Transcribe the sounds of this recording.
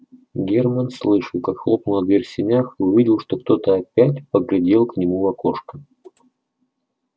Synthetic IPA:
ɡʲermənslˠɨʂəlˠkakxlˠo̞pnʊlˠɐɡ̪vʲerʲsʲɪnʲaxiʊvʲidʲɪlˠʂt̪o̞kt̪o̞t̪əɐpʲætʲpəɡlʲɪdʲe̞lˠknʲɪmuvɐkoʂkə

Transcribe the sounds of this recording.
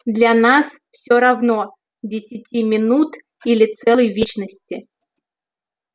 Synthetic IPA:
d̪lʲanasfsʲoɾɐvno | dʲɪsʲɪtʲʰimʲɪnut̪ | ilʲɪt̪sɛlˠəjvʲet͡ɕnəsʲtʲɪ

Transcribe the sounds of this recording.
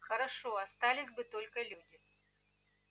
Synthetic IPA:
xɐɾaʂoast̪alʲisʲbɨt̪olʲkɐlʲudʲɪ

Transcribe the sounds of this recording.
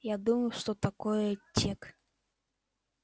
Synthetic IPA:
jad̪uməjʊʂt̪ɔt̪akɔjətʲːek

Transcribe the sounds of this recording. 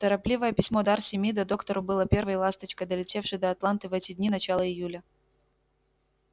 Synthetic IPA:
t̪əɾɐplʲivəjəpʲɪsʲmo̞d̪arsʲɪmʲjid̪ɐd̪o̞kt̪əɾʊbɨlˠəpʲe̞rvəjlˠast̪ət͡ɕkəjd̪əlʲɪtʲe̞fʂɨjd̪əɐt̪lˠant̪ɨvɛtʲɪdʲnʲinɐt͡ɕalˠəɪjulʲə

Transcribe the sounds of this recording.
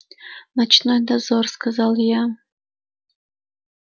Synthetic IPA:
nat͡ʃʰnojd̪azorskʰazalja

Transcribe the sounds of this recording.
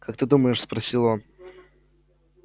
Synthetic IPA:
kak̚t̪ɨd̪uməjɪʂspɾɐsʲilˠo̞n

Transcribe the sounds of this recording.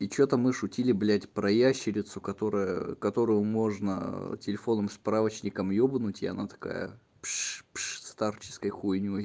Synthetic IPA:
it͡ɕot̪əmɨʂʊtʲilʲɪblʲætʲpɾɐjæɕːɪlʲɪt̪sʊkɐt̪o̞ɾəjə̰kɐt̪o̞ɾʊjʊmo̞ʐnətʲɪlʲɪfo̞nəmspɾavət͡ɕnʲɪkəmjobnʊtʲɐ̰nat̪ɐ̥ka̰jə̰ | pʂpʂst̪art͡ɕɪ̥skəjxujnʲo

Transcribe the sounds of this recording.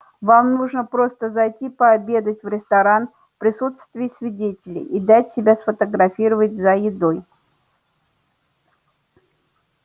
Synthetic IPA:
vamnuʐnəpɾo̞st̪əzɐjtʲipəːbʲe̞d̪ətʲvɾʲɪst̪ɐɾan | fpɾʲɪsut̪st̪vʲɪɪsʲvʲɪdʲetʲɪlʲɪ̰ʔid̪atʲsʲɪbʲasfət̪əɡɾɐfʲiɾəvətʲzəjɪd̪oj

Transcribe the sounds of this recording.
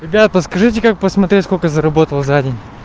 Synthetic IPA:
ɾʲɪbʲat̪̚pəskɐʐɨt̬ʲɪkakpəsmɐt̪ɾʲetʲsko̞lʲkəzəɾɐbo̞t̪əlˠzadʲɪnʲ

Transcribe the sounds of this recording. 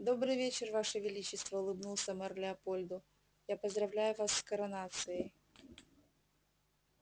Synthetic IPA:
d̪o̞bɾɨjvʲet͡ɕɪrvaʂəvʲɪlʲit͡ɕːɪst̪vɐʊlˠɨbnulˠsʲəmɐrlʲɪɐpolʲd̪ʊ | japəzd̪ɾɐvlʲæjʊvasːkɐɾɐnat̪sɨɪ

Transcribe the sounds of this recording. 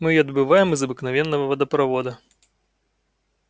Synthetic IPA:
mɨɐd̪bɨvajɛmɨzɐbɨknavʲɛnːɐvɐvɐd̪ɐpɾavɔd̪ɐ

